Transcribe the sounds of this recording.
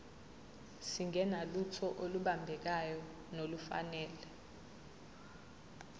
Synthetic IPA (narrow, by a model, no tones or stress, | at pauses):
siŋʱɛnalutʰɔʔoluɓambʱɛk̬ajɔ | nolufa̰nɛːlɛ